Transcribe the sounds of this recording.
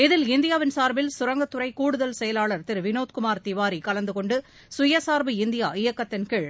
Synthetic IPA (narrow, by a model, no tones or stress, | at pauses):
ɪðɪlɪnd̪ɪjaːʋɪnsaːɾbɪlsʊɾɐŋɡɐt̪ːʊɾɐɪkuːɽɯðɐlsɛjɐlaːɭɐɾt̪ɪɾʋɪnoːt̪kʊmaːɾt̪ɪʋaːɾikɐlɐnd̪ɯkɔɳɖɯ | sʊjɐsaːɾbɯɪnd̪ɪja̰ːɪjɐkːɐt̪ːɪnkɪɭ